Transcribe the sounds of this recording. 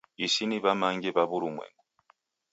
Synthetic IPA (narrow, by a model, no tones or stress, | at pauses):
isiniβamaŋɡɛβaβuɾumwɛ̰ŋɡu